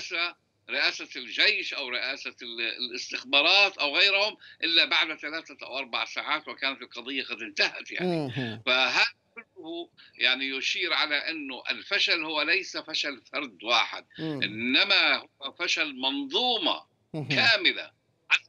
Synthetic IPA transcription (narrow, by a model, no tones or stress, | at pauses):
ʔaːsa | ɾɪʔaːsald͡ʒejʃʔawɾɪʔaːsaɪst̪ɪxbɑːɾˤɑːt̪ʔawɣajɾhʊmʔɪlːabaʕd̪θalaːθaʔa̰wʔɑɾˤba̰ʕsaːʕaːt̪wɪkaːnat̪ɪlqɑd̪ˤɨjːaqɑd̪ɪnt̪ahat̪ja̰ʕnifaɦaːðakʊlːʊhʊjaʕnijʊʃiːɾʕalaʔɪnːʊʔɪ̰lfaʃalhʊwːalajsafaʃalfɑɾˤd̪waːħɪ̰d̪̚ʔɪnːamahʊwafaʃalmɑnðˤuːmɑ̰ | kaːmɪla̰ | ʕa